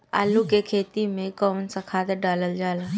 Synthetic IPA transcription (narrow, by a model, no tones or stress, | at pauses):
a̰ːlũkekʰeːt̪imẽkɔːnsɐkʰaːt̪eɖaːləld͡ʒaːlaː